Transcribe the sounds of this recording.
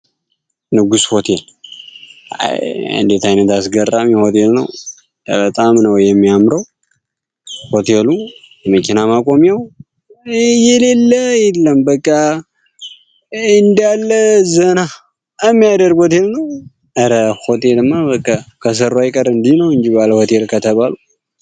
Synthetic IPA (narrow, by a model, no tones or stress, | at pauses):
nɨɡusho̞t̪ʰel | a̰jɨ̰nd̪et̪ajnət̪asɡərːamjɛho̞t̪ʰe̞lnə̰w | bət̪ʼamnəwjɛmːijamɾəw | ho̞t̪ʰelu | jməkʰʲinamakʼo̞mjaw | jɛle̞lːəjɛlːəmbəkʼːa | ɨnd̪jalːəzəna | ɛmːijad̪əɾɡhot̪elnəw | əɾəho̞t̪ʰelɨmːabəkʼːakʰəs̬əɾajkʼəɾɨnd̪inəwɨnd͡ʒibaləho̞t̪ʰe̞lkʰət̪ʰəβalu